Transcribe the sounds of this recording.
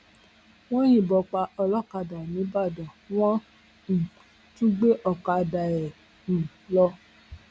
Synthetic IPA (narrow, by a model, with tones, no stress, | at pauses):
w̃ɔ̃˦jĩ˦˨bɔ˧k͡pa˧ɔ˧lɔ˦˨ka˧da˨nĩ˨˦ba˦˨dã˨w̃ɔ̃˦˨ | tũ˦ɡ͡be˦ʔɔ˧˨ka˧da˨ɛ̃˨ | lɔ˧˦